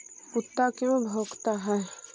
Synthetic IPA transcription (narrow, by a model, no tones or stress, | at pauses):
ʊt̪ːakjõbʱoːɡt̪aɦɛː